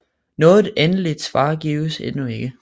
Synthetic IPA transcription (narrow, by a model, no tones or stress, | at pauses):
nɔ̽ːð̩ˠenəlid̥sʋɑ̰̈ːɡ̥iːʊsenue̝ɡ̥ə